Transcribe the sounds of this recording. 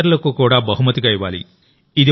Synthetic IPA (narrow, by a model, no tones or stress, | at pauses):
ɐɾulɐkukuːɽaːbɐɦumɐt̪iɡɐjiʋa̰ːlḭ | id̪i